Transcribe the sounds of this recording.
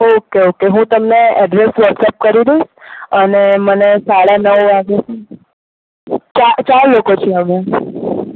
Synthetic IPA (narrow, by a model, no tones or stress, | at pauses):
okeokeɦũt̪əmneɛɖɾesʋəɾksəp̚kəɾiɾəiʃənemənesaɽanəʋaɡet͡ʃʰe | t͡ʃat͡ʃaɾlokot͡ʃʰeəme